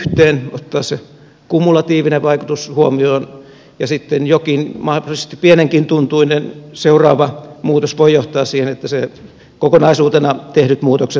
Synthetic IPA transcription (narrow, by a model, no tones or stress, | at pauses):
ht̪eːnot̪ːɑːsse | kumːulɑt̪iːʋineʋʋɑikut̪ushuomioːn | jɑsit̪ːenjokinmɑhisest̪ippieneŋkint̪unt̪uinenseurɑːʋɑmuːt̪osʋoijoht̪ˑɑːssiːhenet̪ːæse | kokonɑisuːt̪enɑt̪ehnyt̪muːt̪okse